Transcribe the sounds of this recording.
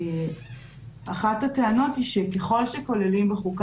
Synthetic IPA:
aχathateano̞thiʃekeχo̞lʃeko̞lelimbeχuk

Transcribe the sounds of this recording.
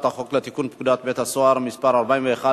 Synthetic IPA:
t̪aχoklat̪ikunpkud̪at̪̚bɛt̪hasoaɾmispaɾalbaimveeχa

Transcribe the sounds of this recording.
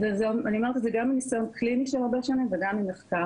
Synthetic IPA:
ezeaniamaʁt̪izeɡaminisajonkliniʃelʁabeʃanimveɡamineχka

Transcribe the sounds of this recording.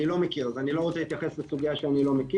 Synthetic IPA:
ilo̞mekiʁazanilo̞ʁot͡seit̪jaχesbesuɡijaʃeanilo̞meki

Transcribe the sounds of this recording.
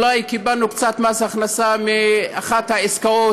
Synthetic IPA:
lajkibalnukt͡sat̪masaχnasamiaχat̪haeskao

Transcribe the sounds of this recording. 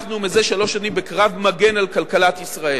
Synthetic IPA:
numize̞ʃalo̞ʃanimbekʁavmaɡe̞nalkalkalat̪isʁae

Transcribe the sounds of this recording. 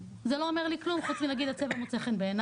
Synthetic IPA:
zelo̞omeʁliklumχut͡smilaɡid̪at͡sevamot͡seχenbeːn

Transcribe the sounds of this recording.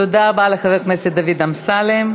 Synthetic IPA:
od̪aːbaleχaveknesed̪avid̪amsalem

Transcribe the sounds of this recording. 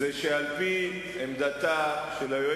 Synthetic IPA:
zeʃealpi | emd̪at̪aʃelajo

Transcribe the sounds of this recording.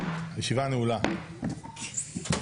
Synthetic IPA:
hajeʃivaneula

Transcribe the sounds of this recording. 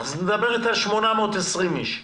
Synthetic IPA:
zned̪abeʁit̪alʃmonamoːt̪esʁimiʃ

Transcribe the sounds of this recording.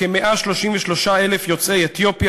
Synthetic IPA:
emeʔaʃlo̞ʃimveʃlo̞ʃae̞lefjo̞t͡sejet̪jo̞pja

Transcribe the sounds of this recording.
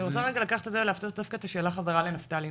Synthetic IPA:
niʁot͡saʁeɡalakaχe̥t̪zevleaft̪otd̪afkaet̪aʃe̞ːlaχazaʁalenaftali

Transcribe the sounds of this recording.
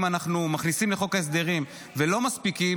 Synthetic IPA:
manaχnumaχnisimleχo̞kaes̬d̪e̞ʁim | velo̞maspiki

